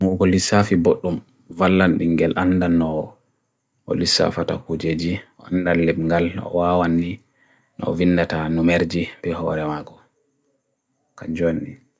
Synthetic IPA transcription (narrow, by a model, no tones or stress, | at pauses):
muɡɔlisafiboɗːum | valːanɗiŋɡɛlʔandanːɔ | ɔ̰lisːa̰fata̰kud͡ʒed͡ʒiɔandalːɛbŋɡalɔ̰wawanːi | nɔ̰vinːdatanumeɾd͡ʒibɛhɔ̰ɾɛmaɡɔ | kaɲd͡ʒonːi